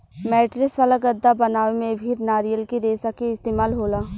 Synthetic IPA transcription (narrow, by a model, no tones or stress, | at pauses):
mɛːʈɾɪksʋaːlaɡɐd̪ːabɐnaːʋemẽbʱiɾnaːɾijəlkiɾeːsakiɪst̪eːmaːlɦoːlaː